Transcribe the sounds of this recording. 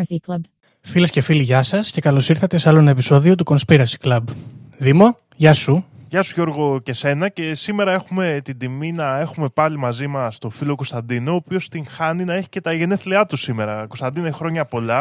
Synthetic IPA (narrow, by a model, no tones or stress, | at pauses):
iklɐb | filesce̞filiʝɐsɐsce̞kɐlo̞siɾθɐt̪e̞sɐlonɐepiso̞ðio̞t̪̬uko̞nspiɾɐsi̥klɐbðimo̞ | ʝɐsuʝɐsuʝo̞ɾɣo̞ce̞se̞nɐce̞sime̞ɾɐe̞xume̞t̪id̪iminɐe̞xume̞pɐlimɐzimɐst̪o̞filo̞ko̞st̪ɐnd̪inooːpio̞st̪iŋxɐninɐe̞çi̥ce̞t̪ɐʝe̞ne̞θleɐt̪usime̞ɾɐko̞st̪ɐnd̪inoeçxɾo̞ɲɐpo̞lɐ